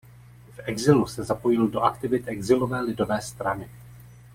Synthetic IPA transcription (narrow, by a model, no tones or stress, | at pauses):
fɛɡzɪlusɛzapo̞jɪldo̞ʔakt̪ɪvɪt̪ʔɛɡzɪlo̞vɛːlɪdo̞vɛːst̪ɾanɪ